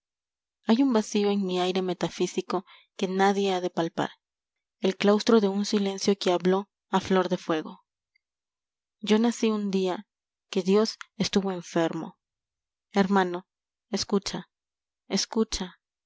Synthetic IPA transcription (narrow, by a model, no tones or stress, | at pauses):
ajumbasio̞e̞ŋmiajɾe̞me̞t̪afisiko̞ | ke̞naðje̞aðe̞palpa̰ɾ | e̞lklawst̪ɾo̞ðe̞unsile̞nsjo̞keaβlo̞ | aflo̞ɾðe̞fwe̞ɣo̞̰ | d͡ʒo̞nasiund̪ia | ke̞ðjo̞sest̪uβo̞e̞ɱfe̞ɾmo̞̰ | e̞ɾmãno̞ | eskut͡ʃa | eskut͡ʃa